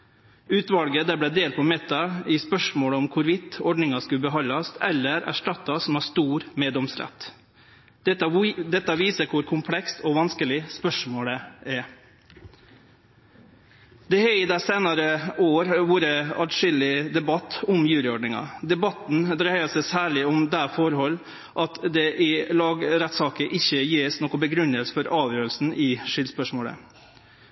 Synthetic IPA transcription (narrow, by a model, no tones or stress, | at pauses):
ʉːt̪ʋɑlɡəd̪æblɛd̪eːlt̪̚pʰɔmɛt̪ːɑɪspœʂmoːləɔmkʰʊɾʋɪt̪ːɔɖnɪŋɑskʉbəɦɑlːɑsɛlːəɾæ̰ʂʈɑt̪ːɑsɔm̩ɑst̪uːɾmeːd̪ɔmsɾɛ̰t̪ː | d̪ɛt̪ːɑʋiːsəɾkʰʊɾkʰʊmpʰlɛkst̪ʰɔʋɑnskəlɪspœʂmoːɽɛæɾ | d̪ɛhɛɪd̪æseːnɑɾəoːɾʋʊɾəɑʈʂɪlɪd̪ɛbɑt̪ːɔmjʉːlɪɔɖɳɪŋɑ̰d̪ɛbɑt̪n̩d̪ɾæɪɑsɛsæːɭɪɔmd̪æfɔɾhɔlː | ʔɑt̪d̪ɛʔɪlɑːɡɾɛt̪sɑːkəʔɪçːəjeːsnɔkːʊbəɡɾʉnəlsəfɔɾɑːʋjøːɾəlsn̩ʔɪʂɪlspœʂmoːlə̰